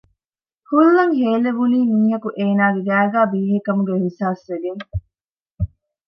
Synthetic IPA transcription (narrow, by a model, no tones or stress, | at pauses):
hulːɐŋɦeːleʋuniːmiːɦɐkuʔeːnaːɡeɡæːɡæːbiːɦekɐmuɡeɦisaːsʋeɡeŋ